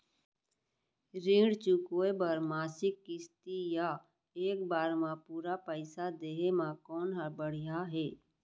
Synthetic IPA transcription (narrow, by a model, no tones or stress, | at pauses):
ɾĩːɽt͡ʃʊkoebəɾmaːsɪkːɪst̪ija | eːkbaːɾmãpuːɾapəɪsad̪eːɦemãkɔːnɦəbəɽ̤ijaɦɛː